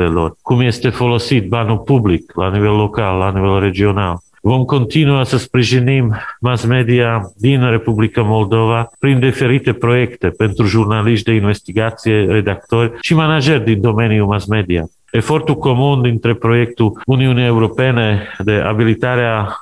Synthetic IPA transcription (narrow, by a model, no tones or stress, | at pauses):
elo̰rkumjest̪efolosit̪̚banupubliklanivelːokalːanivelred͡ʒional | vomkont̪inuasəspɾiʒinimːasmed̪iad̪inrepublikamold̪ovapɾind̪ifeɾit̪epɾojekt̪epent̪ɾuʒurnaliʃt̪d̪einvest̪iɡat̪sieɾed̪ak̚t̪oɾʲʃimanad͡ʒeɾʲd̪ind̪omeniumasmed̪ia̰ | efort̪ukomund̪int̪ɾepɾojek̚t̪uuniuniewɾopened̪eʔa̰bilit̪aɾea